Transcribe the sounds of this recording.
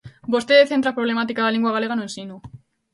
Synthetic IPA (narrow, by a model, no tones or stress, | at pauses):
bost̪eðeθe̞nt̪ɾapɾoβle̞mat̪ikaðaleŋɡuaɣale̞ɣanuensinu